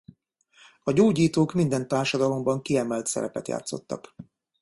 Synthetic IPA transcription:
ɒɟoːɟiːt̪oːkmind̪ɛnt̪aːrʃɒd̪ɒlo̞mbɒŋkiɛmɛlt̪sɛ̰ɾɛpɛt̪ja̰ːt̪so̞̰t̪ːɒ̰k

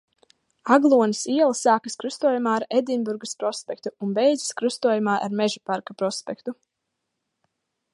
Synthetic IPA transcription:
aɡlˠuɔnisiɛlˠsaːkaskɾust̪uɔjumaːaɾɛd̪inbuɾɡɐspɾɔspɛk̚t̪uunbɛjd̪ziskɾust̪uɔjumaːʔa̰ɾmɛʒupaɾkapɾɔspɛkt̪u

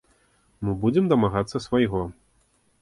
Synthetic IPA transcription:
mɨbud͡zʲɛmd̪ɐmaɣat̪sːɐsvɐjɣɔ

